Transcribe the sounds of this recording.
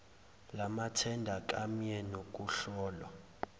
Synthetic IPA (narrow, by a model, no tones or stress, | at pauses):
lamatʰɛndʱak̬ʼamijɛnok̬ʼuɬɔːla̰